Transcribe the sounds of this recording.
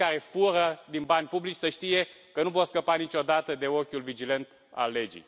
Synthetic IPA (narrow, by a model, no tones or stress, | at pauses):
kaɾe̞fuɾəd̪inbanʲpublit͡ʃʲsəʃt̪ije̞ | kənuvo̞rskəpanit͡ʃʲo̞d̪at̪əd̪e̞o̞kʲulvid͡ʒilent̪ | a̰lːe̞d͡ʒḭj